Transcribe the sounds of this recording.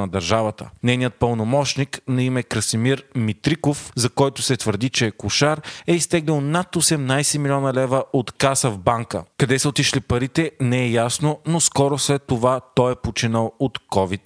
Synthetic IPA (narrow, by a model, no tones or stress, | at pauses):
nɐd̪ɐɾʒavət̪ə̰nɛjnijət̪̚pəlˠnomɔʃniknɐimɛkɾɐsimiɾmit̪ɾikofzɐkɔjt̪ʊsɛt̪vəɾd̪it͡ʃɛkʊʃaɾɛist̪ɛɡlʲilˠnat̪osɛmnajsɛmilʲiɔnɐlɛvəʔot̪kasəvbaŋkə̰kɐd̪ɛsəot̪iʃlipɐɾit̪ɛnɛɛjasnonoskɔɾoslɛt̪ːovat̪ɔjɛpot͡ʃinəlˠot̪kɔvit̪